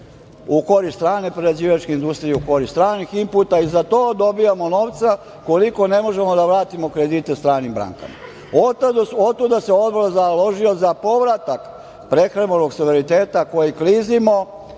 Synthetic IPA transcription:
uko̞ɾist̪ɾaːnepɾeɾad͡ʑiːʋat͡ʃkeind̪ust̪ɾijeuko̞ɾist̪ɾaːniximput̪aizat̪oːd̪o̞bijamo̞no̞ːʋt̪sa | koliko̞ne̞mo̞ʒe̞mo̞d̪aʋɾaːt̪imo̞kɾe̞d̪it̪e̞st̪ɾaːnimbɾa̰ːŋka̰ma̰ | ot̪ot̪t̪ːud̪aseo̞d̪bolazalo̞ʒiozapo̞ʋɾat̪ak | pɾe̞xɾebonoɡsuʋeɾit̪eːt̪ako̞jiklizimo̞

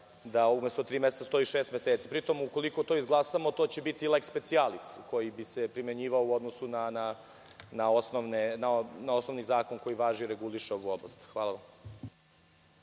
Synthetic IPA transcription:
d̪aumest̪ot̪ɾiːmeset̪ast̪o̞iʃeːst̪meseːt̪sipɾit̪o̞muko̞likot̪oizɡlˠasamot̪o̞ːt͡ɕebit̪ilekspe̞t̪sialist̪ko̞jibisepɾime̞ɲiːʋaouo̞d̪nosunana | naosnoʋnenanaosnoʋnizaːko̞ŋko̞jiʋaːʒiɾeɡuliʃeo̞ʋuoblˠast̪xʋaːlaʋam

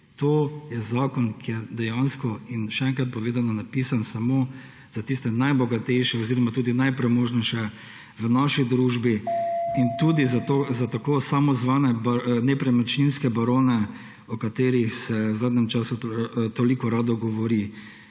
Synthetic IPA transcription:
t̪oːjɛzaːkɔnkʰijɛd̪ɛjanskɔinʃɛɛŋkɾat̪̚pɔʋeːd̪anɔnapisansamo | z̥at̪ist̪ɛnajbɔɡat̪ɛjʃɛɔziɾɔmat̪uːd̪inajpɾɛmoːʒnɛʃɛ | ʋənaʃid̪ɾuːʒbiint̪uːd̪izat̪ozat̪akoːsamɔzʋaːnɛbanɛpɾɛmɛt͡ʃninskɛbaɾoːnɛ | ɔkat̪eːɾixsɛwzaːd̪nʲɛmt͡ʃaːsut̪olikɔɾaːd̪ɔɡɔʋɔɾi

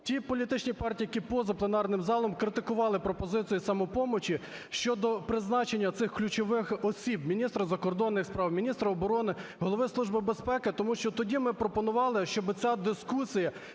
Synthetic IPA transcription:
tʲipɔlʲit̪ɪt͡ʃnʲipɑrtʲiːjɐkʲipɔzɐplˠenɑrnɪmzɑlˠɔmkɾɪt̪ɪkʊʋɑlˠɪpɾɔpɔzɪt͡sʲijisɐmɔpɔmɔt͡ʃi | ʃt͡ʃɔd̪ɔpɾɪznɑt͡ʃenʲːɐt̪sɪxklʲut͡ʃɔʋɪxɔsʲib̚mʲinʲist̪ɾɐzɐkɔrd̪ɔnːɪxspɾɑwmʲinʲist̪ɾɐɔbɔɾɔnɪɦɔlˠɔʋɪslˠuʒbɪbespɛkɪt̪ɔmuʃt͡ʃɔt̪ɔdʲimɪpɾɔpɔnʊʋɑlˠɪʃt͡ʃɔbɪt͡sʲad̪ɪskusʲijɐ

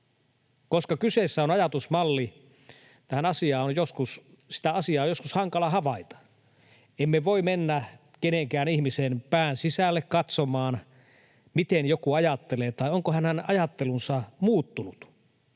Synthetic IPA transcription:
koskɑkysesːæonɑjɑt̪usmɑlːi | t̪æhænɑsiɑːonjoskus | si̥t̪æɑsiɑːojoskushɑŋkɑlɑhɑʋɑit̪ɑ̥ | emːeʋoimenːæ | keneŋkæːnihmisenpæːnsisælːekkɑt̪somɑːn | mit̪enjokuɑjɑt̪ːeleːt̪ɑioŋkohænenɑjɑt̪ːelunsɑmuːt̪ːunut̪

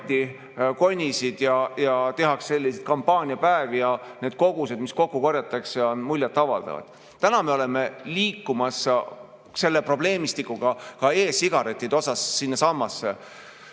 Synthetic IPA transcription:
t̪ːi | ko̞nʲisid̪̥jɑjɑt̪e̞ɦɑksse̞lʲːiset̪̚kɑmpːɑːnʲiɑpæevijɑne̞ːd̪̥̚ko̞ɡuse̞d̪misko̞kːuko̞ɾjɑt̪ːˑɑkseo̞nmulʲjɑt̪ːˑɑvɑ̰ld̪̥ɑ̰vɑ̰d̪̥ | t̪ænɑme̞o̞le̞me̞liːkːumɑs | se̞lːe̞pro̞b̥le̞ːmist̪ikːˑuɡ̥ɑkɑe̞ːsiɡ̥ɑɾe̞t̪ːˑid̪̥eosɑsːinːesɑmːɑsːḛ

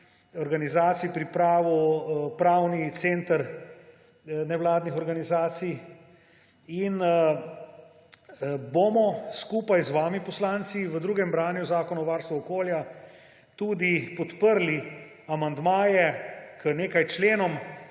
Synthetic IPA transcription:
ɔɾɡanizaːt̪sijpɾipɾaːʋupɾaːwnit̪seːnt̪əɾ | nɛwlaːd̪nixɔɾɡanizaːt̪sij | in | bomɔskuːpajzʋaːmipɔslaːnt̪siʋəd̪ɾuːɡɛmbɾaːnjuzaːkɔnɔʋaːɾst̪ʋɔɔkoːlja | t̪uːd̪ipɔt̪pəɾli | amand̪maːjɛkəneːkajt͡ʃleːnɔm

